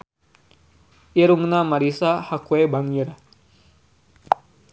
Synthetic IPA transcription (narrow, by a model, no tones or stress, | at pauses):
iɾuŋnamaɾisahakwebaŋiɾa